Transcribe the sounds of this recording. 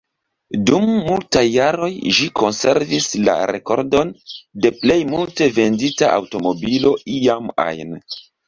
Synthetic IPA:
dumːultajːaɾo̞jʒikʰo̞nse̞ɾvisla̰ɾe̞̰ko̞̰ɾdo̞nde̞ple̞jmulte̞ve̞nditaʔa̰wto̞mo̞bilo̞iama̰jn

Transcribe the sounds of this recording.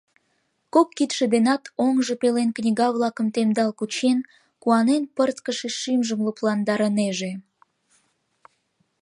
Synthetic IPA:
kokːit̪ʃed̪enɑt̪ʰoŋʒəpelenknʲiɣɑβlɑkə̆mt̪emd̪ɑlkut͡ɕen | kuɑnenpərt̪kəʃeʃimʒəmluplɑnd̪ɑɾəneʒe

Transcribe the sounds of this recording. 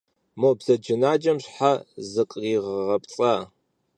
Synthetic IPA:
mobz̥ɐd͡ʒɪnaːd͡ʒɐmɕħazɨqʼriːʁʁɐpt͡sʼɐ

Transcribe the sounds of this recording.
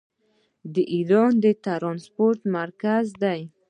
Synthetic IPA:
d̪əʔiɾɑnd̪ət̪aɾɑnspoɾt̪maɾkazd̪aj

